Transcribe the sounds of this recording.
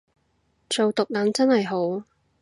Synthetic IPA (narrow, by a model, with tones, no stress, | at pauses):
t͡ʃo˨wt̪ʊ˨k̚lɐ˨˥nt͡sɐ˥nhɐ˨jɦo˨˥w